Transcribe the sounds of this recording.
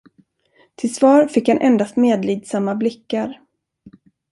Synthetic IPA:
t̪ʰɪlsvɑːɾfɪkhanʔɛ̰nd̪ast̪meːd̪liːd̪samːablɪkːaɾ

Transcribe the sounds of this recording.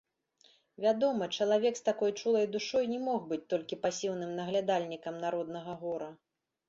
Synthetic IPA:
vʲad̪ɔmɐt͡ʂɐlˠavʲɛkst̪akɔjt͡ʂulˠɐjd̪uʂɔjnʲɛmɔxbɨt͡sʲt̪ɔlʲkʲipasʲiwnɨmnɐɣlʲad̪alʲnʲikɐmnaɾɔd̪̚nɐɣɐɣɔɾɐ

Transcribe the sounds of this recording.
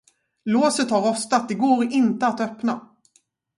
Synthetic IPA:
loːsət̪haɾɔst̪at̪̚d̪ɛɡoːɾɪnt̪əat̪œpna̰

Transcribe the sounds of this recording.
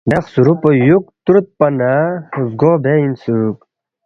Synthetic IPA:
d̪ɐχsuɾupojuk̚t̪uɾt̪̚pɐnazɡobʱeinsuk̚

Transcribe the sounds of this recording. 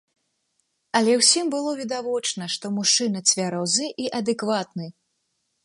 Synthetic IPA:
ɐlʲɛwsʲimbɨlˠɔvʲid̪avɔt͡ʂnɐʂt̪ɔmuʂɨnɐt͡sʲvʲaɾɔznɨʔiʔɐd̪ɛkvat̪nɨ

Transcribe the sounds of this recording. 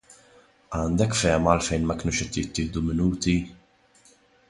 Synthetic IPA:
ɐːnd̪ɛkːfɛːmɐːlfɛjnmɐkɪnuːʃɛt̪ːjɪt̪ːɪːhd̪umɪnuːt̪i

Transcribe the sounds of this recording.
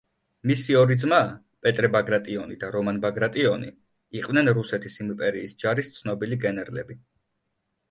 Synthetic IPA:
misiɔɾid̪zma | pʼɛt̪ʼɾɛbaɡɾat̪ʼiɔnid̪aɾɔmanbaɡɾat̪ʼiɔni | iqʼvnɛnɾusɛt̪ʰisimpʼɛɾiːsd͡ʒaɾist̪sʰnɔbiliɡɛnɛɾlɛbi

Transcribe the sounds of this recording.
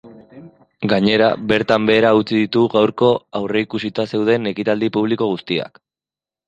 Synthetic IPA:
ɡaɲe̞ɾa̰be̞ɾt̪ambe̞ːɾaut͡siðit̪uɣawɾko̞awre̞ikusit̪ase̞wð̞e̞ne̞kit̪ald̪ipuβ̞liko̞ɣ̞ust̪ia̰k

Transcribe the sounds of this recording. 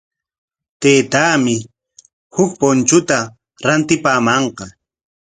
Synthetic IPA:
t̪eːt̪aːmɪ | hʊkpont͡ʃʊt̪a | ɾant̪ɪpaːmɑɴqɑ

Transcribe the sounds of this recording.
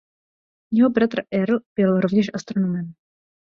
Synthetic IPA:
jɛɦobɾat̪rʔɛɾlb̥ɪlɾo̞vɲɛʃʔast̪ɾonomɛm

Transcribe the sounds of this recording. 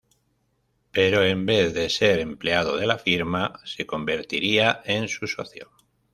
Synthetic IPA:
pe̞ɾo̞embe̞θðe̞se̞ɾe̞mpleað̞oð̞e̞lafiɾmase̞ko̞mbe̞ɾt̪iɾiaʔe̞nsuso̞̰θjo̰

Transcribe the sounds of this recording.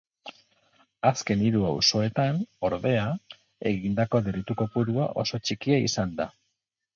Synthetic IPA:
aske̞niɾuawso̞e̞t̪ano̞ɾðe̞a | e̞ɣind̪ako̞ðeɾit̪uko̞puɾua̰ʔo̞̰so̞t͡ʃikiaḭsand̪a

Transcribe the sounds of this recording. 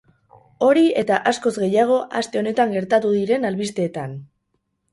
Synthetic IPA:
o̞ɾie̞t̪aʔasko̞zɣe̞jaɣ̞o̞ʔast̪e̞o̞ne̞t̪aŋɡe̞ɾt̪at̪uðiɾe̞nalβist̪e̞ːt̪an

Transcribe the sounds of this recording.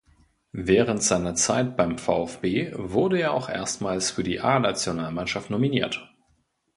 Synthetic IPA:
vɛːʁəntz̥aɪnɐt͡saɪt̚b̥aɪmfa̰ʊɛfb̥eːvʊɐdəeːɐa̰ʊxʔḛːɐstmaːlsfyːɐdḭːʔaːnat͡sjonaːlmanʃaftnominḭːɐt

